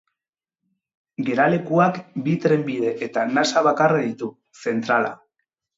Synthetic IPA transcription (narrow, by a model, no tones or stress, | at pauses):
ɡe̞ɾale̞kuakbit̪ɾe̞mbið̞e̞ʔet̪anasaβakaraðit̪u | se̞nt̪ɾala̰